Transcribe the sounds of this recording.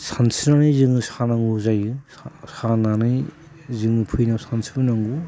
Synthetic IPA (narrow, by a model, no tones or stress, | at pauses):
sʰansʰinanɯjzɯŋɯsanaŋɡuzajɯ | sananɯj | zɯŋɯpʰujnawsansʰibɯnaŋɡu